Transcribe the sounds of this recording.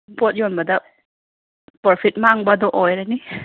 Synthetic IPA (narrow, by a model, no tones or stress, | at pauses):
mpɔt̚jɔnbada | pɔɾpʰit̚maŋbad̪ɔʔɔjɾani